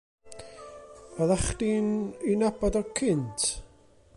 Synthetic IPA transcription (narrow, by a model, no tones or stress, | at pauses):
əðaχdininabɔdɔkʰɪntʰ